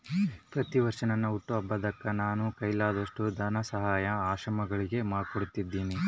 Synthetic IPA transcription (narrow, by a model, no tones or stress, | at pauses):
pɾɐt̪iʋɐɾʂɐnɐnːɐuʈːuɐbːɐd̪ɐkːɐnaːnukɐjlaːd̪ɐʂʈud̪ʱɐnɐsɐɦaːjɐaːʃɾɐmɐɡɐɭiɡe̞maːɽkoɽut̪ːid̪ːiːni